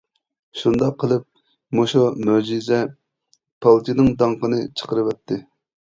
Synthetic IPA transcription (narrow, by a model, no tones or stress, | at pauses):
ʃund̪ɑqʰːəlˠɨp̚ | moʃumød͡ʒizɛ | pʰɑlˠt̪ʰinɨŋd̪ɑŋqənɨt͡ʃʰə̥qəɾɨwɛt̪ʰːɪ